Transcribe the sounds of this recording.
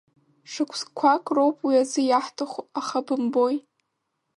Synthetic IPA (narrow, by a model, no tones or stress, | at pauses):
ʂɨkʷʰskʷʰakʼrowpʼwiazɨjaħtʰaχʷaχabɨmbo̞j